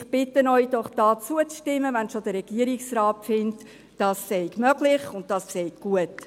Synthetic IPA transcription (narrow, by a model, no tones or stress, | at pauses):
χb̥ɪtːənɔʏd̥ɔχd̥ɑːt͡suət͡sʃtɪmːəʋænʃod̥̪əɾɛɡ̥iəɾiksɾɑːtfɪnt | d̥ɑːsːɛɪɡmœɡlɪχʊnt̚tɑsːɛɪkɡ̥uət